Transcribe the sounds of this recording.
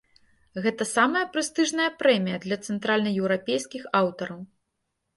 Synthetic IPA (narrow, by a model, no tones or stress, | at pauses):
ɣɛt̪ɐsamɐjɐpɾɨst̪ɨʐnɐjɐpɾɛmʲijɐd̪lʲɐt̪sɛnt̪ɾalʲnɐjɛwɾapʲejskʲixawt̪ɐɾɐw